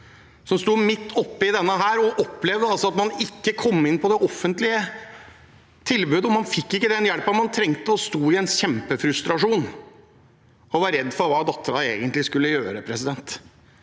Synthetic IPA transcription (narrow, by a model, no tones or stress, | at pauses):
sɔmst̪uːmɪt̪ʰːɔpːɪd̪ɛnːəɦæːɾɔʔɔpːlɛʋd̪əɑlsɔɑt̪mɑnɪkːəkʰɔmːɪnːpʰɔd̪ɛʔɔfːənt̪lɪə | t̪ʰɪlbʉːd̪əɔmɑnfɪkːɪkːəd̪ɛnjɛlpɑmɑnt̪ʰɾɛŋt̪əɔst̪oːɪɛnɕɛmpəfɾʉst̪ɾɑʂuːn | ɔʋɑɾɛd̪ːfɔɾʋɑːd̪ɑt̪ːəɾɑḛːɡənt̪lɪskʉlːəjøːɾəpʰɾɛsɪd̪ɛnt̪